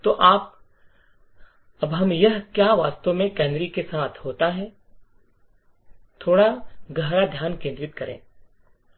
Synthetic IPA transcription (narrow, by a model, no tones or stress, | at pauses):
t̪oːʔaːp̚ | ɐbɦɐmjɐɦkjaːʋaːst̪õmẽkɛːnd̪ɾikesaːt̪ʰɦoːt̪aɦɛː | t̪ʰoːɽaɡɐɦɾad̪ʱjaːnkẽːnd̪ɾɪt̪kɐɾḛ̃ː